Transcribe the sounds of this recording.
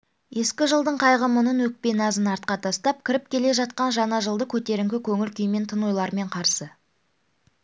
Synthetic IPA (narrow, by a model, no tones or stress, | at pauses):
je̞skʲɪʒəlˠd̪əɴqʰɑjʁəmʊnənwɵk̚pe̞nɑzənɑɾt̪̚qɑt̪ʰɑst̪ɑp̚kʲʰɪɾɪp̚kʲʰe̞le̞ʒɑt̪̚qɑnʒɑnɑʒəlˠd̪əkʲʰɵt̪e̞ɾɪŋkʲɪkʲʰɵŋʲɪlkʲʏjme̞nt̪ʰənujlˠɑɾme̞ɴqʰɑɾsə